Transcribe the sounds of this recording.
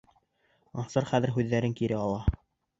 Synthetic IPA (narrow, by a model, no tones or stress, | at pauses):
ɑɴsɤɾχæðɘ̆ɾɦʉðːæɾɘŋkiɾɘɑlˠɑ